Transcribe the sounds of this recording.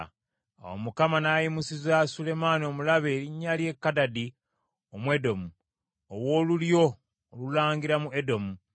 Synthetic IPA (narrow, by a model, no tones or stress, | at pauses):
a̰wo̰mukamanaːjimusizasule̞manio̞mulaβe̞ːɾiɲːalje̞kːadadi | omwe̞do̞mu | owo̞ːluljo̞ː | lulaːŋɡiɾamuedo̞mu